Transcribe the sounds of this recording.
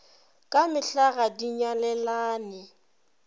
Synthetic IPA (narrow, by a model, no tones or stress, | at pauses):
kʼamɪɬaɣadiɲalɛlaːnɪ